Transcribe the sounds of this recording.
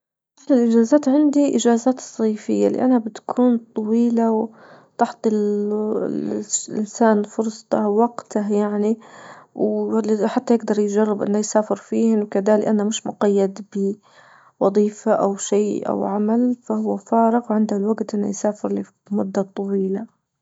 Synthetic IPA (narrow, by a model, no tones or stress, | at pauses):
ʔaħlɪlʔɪʒaːzaːt̪ʕɪnd̪iʔɪd͡ʒaːzaːt̪sˤːiːfɪjːa̰lḭʔanabɪt̪ḁkʰuːnt̪ˤɑwiːlaw | t̪ɑħt̪ˤɨl | ɪ̰nsaːnfʊɾsˤt̪ɑwaɡt̪ʰajaʕniwħat̪ːajɪɡ̚d̪ɑɾˤjd͡ʒɑrˤːɪbʔɪ̰nːajsaːfɪɾfiːhɪnwɪkad̪aːlɪʔanːamɪʃmʊqajːad̪bɪ | wɑðˤiːfaʔa̰wʃiːʔa̰wʕamalfahʊwːafaːɾɪqwʕɪnd̪alwaɡt̪ʔɪnːa̰jsaːfɪɾli | mʊd̪ːat̪ˤɑwiːla